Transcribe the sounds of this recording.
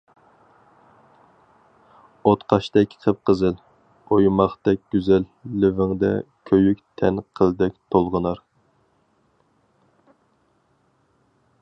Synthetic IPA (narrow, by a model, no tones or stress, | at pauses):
ot̪qʰɑʃt̪ɛkʲqʰəp̚qʰəzɨl | ojmɑχt̪ɛkʲɡ̥ʲyzɛlːɪvɪŋd̪ɛ̰kʲʰøjykʲt̪ʰɛnqʰəlˠd̪ɛk̚ʲt̪ʰolˠʁənɑɾ